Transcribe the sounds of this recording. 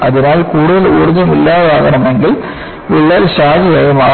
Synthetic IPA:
ɐðɪnaːlkuːɽʊðɐluːɽuðɐmilːaːðaːɣɐɳɐmeŋɡɪl | ʋɪɭːɐːlɕaːd͡ʒɐjɐjɐmaː

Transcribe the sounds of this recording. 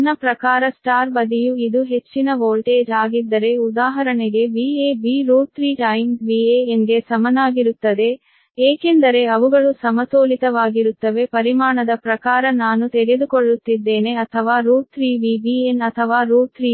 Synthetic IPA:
nːɐpɾɐkaːɾɐsʈaːɾbɐd̪ijuid̪uɦe̞t͡ʃːinɐʋoːlʈeːd͡ʒaːɡid̪ːɐɾe̞ud̪aːɦɐɾɐɳeɡe̞biːeːbiːɾuːt̪ɾiːʈɐjmbiːeeŋɡe̞sɐmɐnaːɡiɾut̪ːɐd̪e̞ | eːke̞nd̪ɐɾe̞ɐʋuɡɐɭusɐmɐtoːlit̪ɐʋaːɡiɾut̪ːɐʋe̞pɐɾimaːɳɐd̪ɐpɾɐkaːɾɐnaːnut̪eɡed̪ukoɭːut̪ːid̪ːe̞ːne̞ɐt̪ʰɐʋaːɾuːt̪ɾiːbiːbienɐt̪ʰɐʋaːɾuːt̪ɾiː

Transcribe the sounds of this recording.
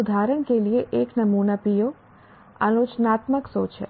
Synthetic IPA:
ud̪ʱaɾəɳkelieʔeknəmunəpijo | ə̰not͡ʃnat̪məksot͡ʃʰḛ

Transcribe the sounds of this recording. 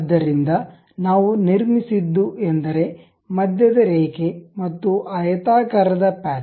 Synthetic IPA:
d̪ːɐɾind̪ɐ | naːʋuniɾmisid̪ːuʔend̪ɐɾe̞ | mɐd̪jɐd̪ɐɾeːkemɐt̪ːuʔɐjɐt̪aːkɐɾɐd̪ɐpaː

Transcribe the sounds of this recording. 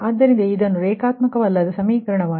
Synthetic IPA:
ɐd̪ːɐɾind̪eid̪ɐnːuɾeːkaːt̪mɐkɐʋɐlːɐd̪ɐsɐmiːkɐɾɐɳɐʋaː

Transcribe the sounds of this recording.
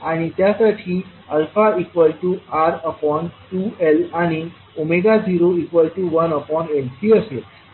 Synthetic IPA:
aɽ̃it̪jasaʈʰiː | əlfaikʋəlʈuaɾəpɔnʈuelaɽ̃i | omeɡad͡zʱiɾoikʋəlʈuʋənəpɔɳelsiəset̪

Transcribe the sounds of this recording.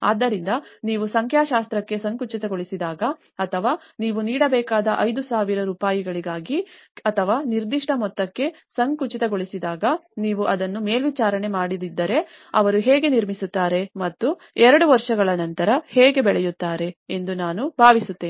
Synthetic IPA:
aːd̪ːɐɾind̪ɐniːʋusɐŋkʰjaːʃaːst̪ɾɐkːe̞sɐŋkut͡ʃit̪ɐɡoɭisid̪aːɡɐ | ɐt̪ʰɐʋaː | niːʋuniːɽɐbɛːkaːd̪ɐʔɐjd̪usaːʋiɾɐɾuːpaːjiɡɐɭiɡaːɡi | ɐt̪ʰɐʋaːniɾd̪iʂʈʰɐmɔt̪ːɐkːe̞ | sɐŋkut͡ʃit̪ɐɡoɭisid̪aːɡɐniːʋuʔɐd̪ɐnːumeːlʋit͡ʃaːɾɐne̞maːɽid̪id̪ːɐɾe | ɐʋɐɾuɦeːɡe̞niɾmisut̪ːaːɾe̞mɐt̪ːu | ɛɾɐɽuʋɐɾʂɐɡɐɭɐnɐnt̪ɐɾɐheːɡe̞bɛɭɛjut̪ːaːɾe̞end̪unaːnubʱaːʋisut̪ːeːni

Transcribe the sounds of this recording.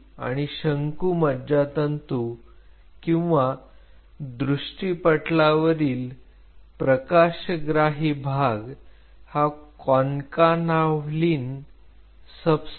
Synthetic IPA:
a̰ɽ̃iɕəŋkuːməd̪d͡ʑat̪ənt̪u | kĩw̃ʋa | d̪ɾuʂʈipəʈlaʋəɾiːl | pɾəkaɕɡɾaɦibʱaɡ | hakɔnkanaʋliːn | səbs

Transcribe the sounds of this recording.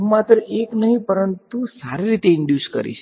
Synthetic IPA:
ũmat̪ɾəʔeknəɦĩpəɾənt̪usaɾiɾit̪eɪɳɖjuskə̰ɾḭʃ

